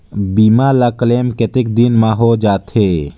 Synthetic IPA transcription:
biːmalakəleːmket̪ɪk̚d̪inmãɦod͡ʒaːt̪ɦeː

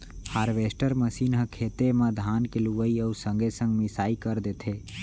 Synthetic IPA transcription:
haːɾʋeːsʈəɾməsiːnɦəkʰeːt̪emãd̪ʱaːnkeluʋəiəuɾsə̃ŋɡesə̃ŋɡmɪsaːikəɾd̪et̪ʰeː

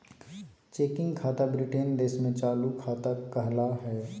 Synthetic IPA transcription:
t͡ʃeːkɪ̃ŋɡkʰaːt̪abɾɪʈend̪eːsmẽt͡ʃaːlukʰaːt̪akɐɦlaɦɛː

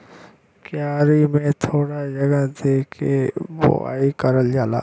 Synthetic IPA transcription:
kjaːɾimẽt̪ʰoːɽad͡ʒəɡəd̪eːkʰebo̰a̰ːikəɾəld͡ʒaːla̰ː

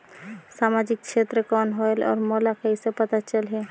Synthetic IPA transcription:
samad͡ʒik̚t͡ʃʰet̪ɾəkɔnɦɔelɔ̰ːɾmɔlakəisepət̪at͡ʃəlɦɛ

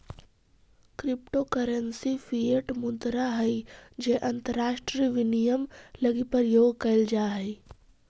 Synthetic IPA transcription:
kɾɪpʈokəɾənsifʰieʈmʊd̪ɾaɦɛid͡ʒeːʔɐ̃nt̪əɾːaːʃʈɾiʋɪnijəmlɐɡipəɾjoːɡkɐld͡ʒaːɦɛi

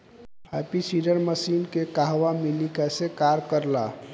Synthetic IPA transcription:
hapisiɖəɾməsinkekaɦʋamilikasekaɾkəɾla̰

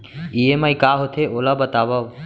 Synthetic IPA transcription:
iemaikaɦot̪ʰeoːlabət̪aːʋaʋ

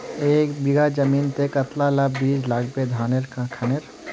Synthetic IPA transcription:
eːkbiɡad͡ʒəmiːnt̪ekət̪lalabbiːd͡ʒlaɡped̪ʱaːneɾkkʰəneɾ

